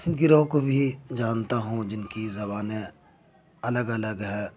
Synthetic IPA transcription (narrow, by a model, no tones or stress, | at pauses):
ɡɪɾõkobʱid͡ʒaːnt̪aɦũd͡ʒɪnkizɐbaːne | ɐləɡɐləɡɦɛː